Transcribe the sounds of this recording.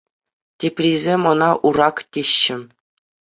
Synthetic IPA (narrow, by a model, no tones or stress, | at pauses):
tʲepʲrʲizʲemɤ̆nɑʔuɾɑktʲeɕːɘ̆